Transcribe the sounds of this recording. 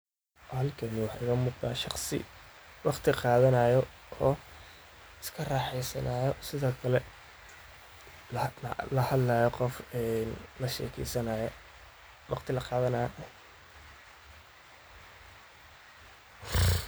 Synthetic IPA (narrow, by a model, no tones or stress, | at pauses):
hɐlkʰɐnɪwɑħɑ̰ɪɣɐmuːqd̪a̰ːʃɑχsɪ̰wɑqt̪ʰɪqɑːðɐnaːjɔ | ɔː | ɪskʰɐrɑːħɛjsɐnajɔsɪðɔːkʰɐlɛ | lɐhɐd̪laːjɔqɔfɛnlɐʃɛ̰ːkʰɛ̰jsɐnɐj | wɑ̰qt̪ʰɪlɐqɑːðɐnɐ